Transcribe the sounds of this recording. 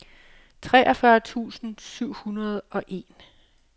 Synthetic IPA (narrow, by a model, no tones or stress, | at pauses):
t͡sʰʁɛːʔɒ̽fɶɐt͡sʰṵːsn̩syʊ̰hunɐð̞ˠɒ̽ʔe̝ːn